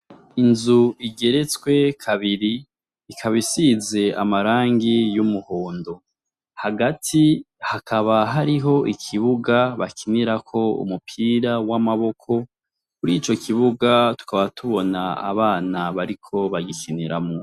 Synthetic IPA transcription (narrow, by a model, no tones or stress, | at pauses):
inzuiɡe̞ɾe̞t͡swe̞kʰaβiɾiː | kʰaβisize̞amaɾaːŋɡijumuhoːndo̞ | haɡatʰi | hakʰaβaɦaɾiɦo̞ʔikʰiβuɡaβakʰiniɾakʰo̞ṵmupʰiːɾawamaβo̞kʰo̞ | kuɾiːt͡ʃo̞kʰiβuɡatu̥kaβatʰuβo̞naa̰βaːnaβaɾikʰo̞βaɡikʰiniɾamo